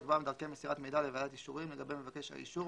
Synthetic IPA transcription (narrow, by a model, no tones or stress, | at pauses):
tbamed̪alkemesiʁatmejdalevadat̪iʃuʁimle̞ɡabe̞jmevake̞ʃha̰ḭʃu